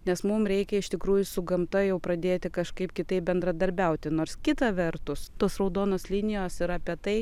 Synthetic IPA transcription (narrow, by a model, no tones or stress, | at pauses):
nʲɛsmʊmɾʲɛɪkʲɛɪʃt̪ʲɪkɾuːjʊsʊɡɐmt̪ɐjɛʊpɾɐd̪ʲeːt̪ʲɪkɐʃkɐɪpkʲɪt̪ɐɪp̚bʲɛnd̪ɾɐd̪ɐɾʲbʲɛʊt̪ʲɪnoːɾskʲɪt̪ɐʋʲɛɾt̪ʊst̪oːsɾɐʊd̪oːnoːslʲinʲɪjoːsɪɾɐːpʲiɛt̪ɐɪ